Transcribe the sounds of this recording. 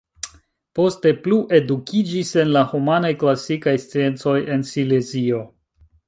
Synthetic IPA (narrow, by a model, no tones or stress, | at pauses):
po̞ste̞pluʔe̞dukʰid͡ʒise̞nlahumanajklasikajst͡sie̞nt͡so̞je̞nsilezio̞